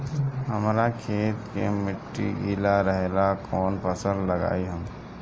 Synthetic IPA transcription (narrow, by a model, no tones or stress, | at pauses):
ɦəmɾakʰeːt̪kemɪʈːiʔiːlaɾəɦelakʰɔːnpəsə̃d̪ləɡa̰ːiɦəm